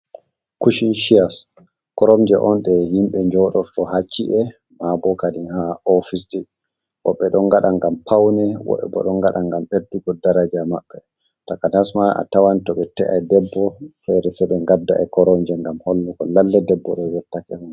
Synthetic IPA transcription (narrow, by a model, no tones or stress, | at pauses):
kuʃinʃias | kɔɾɔmd͡ʒɛʔɔnɗɛhimɓɛɲd͡ʒɔɗɔɗɔhat͡ʃːiʔɛ | mabɔkaɗinhaɔfisdi | wɔ̰ɓːɛɗɔŋɡaɗaŋɡampawnɛwɔ̰ɓɛ̰bɔ̰ɗɔŋɡaɗaŋɡamʔeduɡɔdaɾad͡ʒamaɓːɛ | takanasmaa̰tawantɔɓɛtɛ̰ʔajdɛbːɔfɛɾɛsɛɓɛŋɡadːa̰ʔɛkɔɾɔmd͡ʒɛŋɡamholːukɔ̰lalːɛdɛbːɔɗɔwɛtːakɛmm